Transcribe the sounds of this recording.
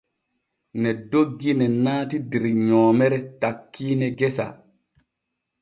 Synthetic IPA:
nɛdoɡːinɛnaːtidiɾiɲɔːmɛɾɛtakːiːnɛɡɛsa̰

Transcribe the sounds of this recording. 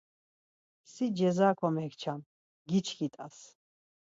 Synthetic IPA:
sid͡ʒɛzaːkʰɔmɛkʰt͡ʃʰam | ɡit͡ʃʰkʰit̪ʼas

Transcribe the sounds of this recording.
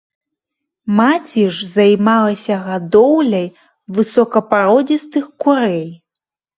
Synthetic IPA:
mat͡sʲiʐzajmalˠɐsʲɐɣad̪ɔwlʲɐj | vɨsɔkɐpaɾɔd͡zʲist̪ɨxkuɾɛj

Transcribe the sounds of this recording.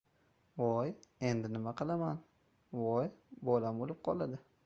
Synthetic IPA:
vɒje̞nd̪ɪnɪmaqɨlˠaman | vɒjbɒlamolɪp̚qʰɒlˠad̪ɪ

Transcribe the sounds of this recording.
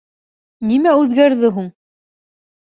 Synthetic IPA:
nimæʉðɡæɾðɘɦuɴ

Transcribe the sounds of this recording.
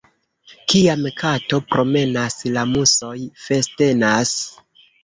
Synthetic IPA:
kiamkato̞pɾo̞me̞naslamuso̞jfe̞ste̞nas

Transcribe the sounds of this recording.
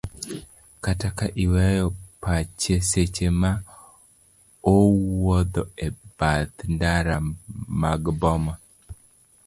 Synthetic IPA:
katakaʔiwɛjɔpat͡ʃeset͡ʃema | owɔd̪ɔebad̪ndaɾamaɡbɔma

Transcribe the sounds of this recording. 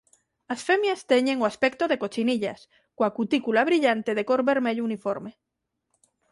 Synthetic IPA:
asfemjast̪eɲeŋoaspɛkt̪oðekot͡ʃiniʎa̰s | koakut̪ikulaβɾiʎant̪eðekoɾβeɾmeʎounifoɾme

